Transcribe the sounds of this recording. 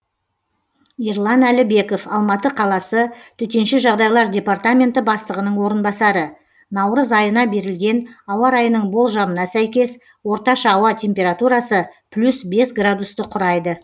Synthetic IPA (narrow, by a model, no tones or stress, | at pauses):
irlˠɑnælɪbe̞ko̞fɑlˠmɑt̪əqʰɑlˠɑsət̪ʰʏt̪e̞nʃɪʒɑʁd̪ɑjlˠɑɾdʲe̞part̪amʲe̞nt̪ɪbɑst̪əʁənəɴwo̞ɾənbɑsɑɾə | nɑwɾəzɑjənɑbe̞ɾɪlɡʲe̞nɑwɑɾɑjənəɴbo̞lˠʒɑmənɑsæjkʲe̞s | wo̞ɾt̪ɑʃɑːwɑtʲʰe̞mʲpʲe̞ɾat̪uɾɑsəpʰlʲusbe̞sɡrad̪ust̪əqʰʊɾɑjd̪ə